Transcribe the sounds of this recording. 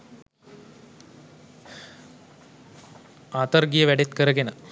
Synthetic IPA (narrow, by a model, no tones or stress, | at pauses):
aːt̪ɐrɡijəʋæɖet̪kəɾəɡenə